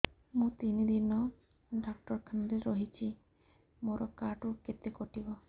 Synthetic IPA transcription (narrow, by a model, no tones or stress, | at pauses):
mũt̪inid̪inɔ | ɖak̚ʈɔɾkʰand̪eɾoɦit͡ʃʰi | moɾɔkaʈuket̪ekoʈibo